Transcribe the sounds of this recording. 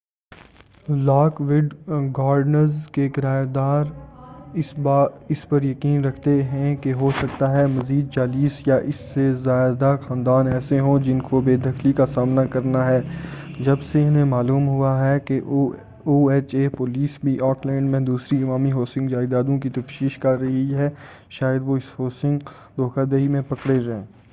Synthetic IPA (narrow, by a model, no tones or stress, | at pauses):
laːkʋɪɖɡaːɾɖnəɾzkeɡɪɾaːd̪aːɾɪsbaːɪspɐɾjɐkiːnɾɐkʰt̪eɦɛ̃keɦosɐkt̪aɦɛmɐziːd̪̚t͡ʃaːliːsjaʔɪsːezaːɪd̪axãːnd̪aːnɛːseɦõd͡ʒɪnkobeːd̪ʱɐxlikasaːmnakɐɾnaɦɛː | d͡ʒɐbseɪnɦẽmaːluːmɦʊaɦɛkeʔ | uːeːt͡ʃeːpoːliːsbʱiʔɔːklɛ̃ːɳɖmẽd̪uːsɾiɪmaːmiɦoːsɪ̃ŋɡd͡ʒaːɪd̪aːd̪õk̬it̪ɐfʃiːʃkɐɾːɐɦiiɦɛː | ʃaːjəd̪ʋoɪshoːsɪ̃ŋɡ | d̪ʱoːkad̪eɦimẽpɐkɽed͡ʒãː